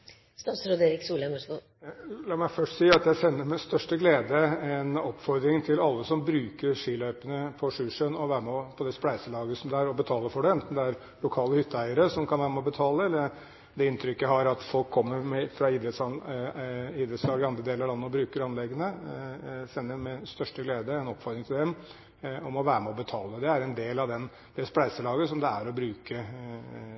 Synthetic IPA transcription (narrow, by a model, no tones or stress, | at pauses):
st̪ɑsɾod̪eːɾɪksuːlɛməʂə | lɑːmæɪfœʂʈsiːɑt̪jæɪsɛnːəɾmɪst̪œʂʈəɡleːd̪əɛnɔpfɔɾd̪ɾɪŋt̪ʰɪlɑlːəsɔmbɾʉːkəɾʂiːlœʏpənəpʰɔʂʉʂənɔʋæːɾəmɛpʰɔd̪ɛsplæɪsəlɑːɡəsɔmd̪ɛæɾɔbət̪ʰɑːləfɔɖɛɛnt̪nd̪ɛæɾ | lʊkʰɑːləhʏt̪ʰːəæɪəɾəsɔmkʰɑnʋæːɾəmɛɔbət̪ʰɑːləɛlːəɾ | d̪ɛɪnt̪ʰɾʏkːəɦɑɾɑt̪fɔlkʰːɔmːəɾmɛfɾɑiːd̪ɾɛt̪sɑ | iːd̪ɾɛt̪slɑːɡɪɑnd̪ɾəd̪eːləɾlɑnːəɔbɾʉːkəɾɑnlɛɡːənə | sɛnːəmɛst̪œʂʈəɡleːd̪əɛnɔpfɔɾɪŋt̪ʰɪld̪ɛm | ɔmɔʋæːɾəmɛɔbət̪ʰɑːləd̪ɛæɾɛnd̪eːlɑʋd̪ɛn | d̪̥ɛsplæɪsəlɑːɡəsɔmd̪ɛæɾɔbɾʉːkə